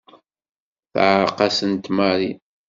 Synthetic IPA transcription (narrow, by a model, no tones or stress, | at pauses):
θʕɾqɑsənt̪maɾi